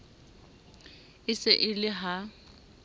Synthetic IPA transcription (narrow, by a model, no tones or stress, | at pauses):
ɪsɪʔɪlɪɦa